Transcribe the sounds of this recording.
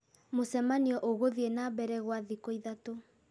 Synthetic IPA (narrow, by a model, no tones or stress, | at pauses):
mosɛmaniɔʔoɣoðienaβɛɾɛɣwaðikoiðato